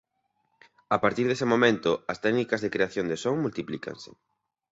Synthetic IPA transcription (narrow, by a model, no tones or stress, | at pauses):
apaɾt̪iɾðesemomẽnt̪ʊɐst̪ɛɡnikɐzðekɾeaθjond̪esoŋmult̪iplikʰa̰nsɪ̥̰